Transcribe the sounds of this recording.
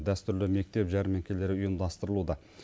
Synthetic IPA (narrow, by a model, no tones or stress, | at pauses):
d̪æst̪ʏɾlɪme̞k̚t̪e̞pʒæɾme̞ŋkʲʰe̞le̞ɾɪʊjəmd̪ɑst̪əɾəlˠud̪ɑ